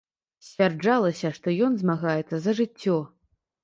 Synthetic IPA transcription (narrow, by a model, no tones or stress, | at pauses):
sʲvʲard͡ʐalˠɐsʲɐʂt̪ɔjɔnzmaɣajɛt̪sːɐzɐʐɨt͡sʲːɔ